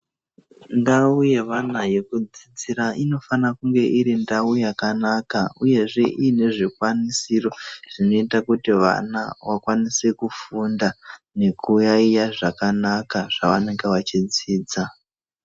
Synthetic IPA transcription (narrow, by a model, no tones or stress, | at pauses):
ndauje̞ʋanaje̞kud͡zid͡ziɾaʔino̞fanakuŋɡe̞ʔiɾindaujakanakauje̞ʐe̞ʔiːne̞ʐikwanisiro̞ʐ̥ino̞itakutiʋa̰na̰ʋakwanise̞kufundane̞kujaijaʐakanakaʐ̥aʋane̞ŋɡe̞ʋat͡ʃid͡ziːd͡za